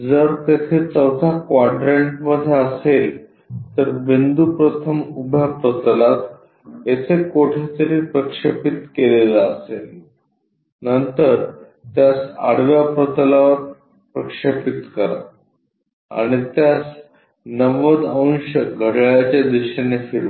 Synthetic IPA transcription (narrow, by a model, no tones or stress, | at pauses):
d͡zəɾt̪et̪ʰet͡səwt̪ʰakʋaɖɾeɳʈməd̪ʱːeəsel | t̪əɾbind̪upɾət̪ʰəmubʱjapɾət̪əlat̪ | et͡sekoʈʰit̪əɾiːpɾəkʂepit̪kelelaəsel | nənt̪əɾ | t̪jasa̰ɽ̤ʋjapɾət̪laʋəɾ | pɾəkʂepit̪kəɾa̰ | a̰ɽ̃it̪jas | nəʋəd̪əñɕəɡʱəɽaɭjat͡ɕad̪iɕənefiɭʋ